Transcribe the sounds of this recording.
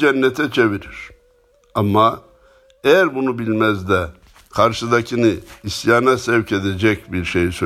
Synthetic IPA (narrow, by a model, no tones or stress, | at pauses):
d͡ʒɛnːɛt̪ʰɛt͡ʃʰeviɾiɾ̥ | amːa | ejæɾbunubilʲmɛzd̪ɛ | kʰaɾʃɯd̪acʰinɯisjaːnasɛvcʰe̞d̪ed͡ʒɛcbiɾʃejisø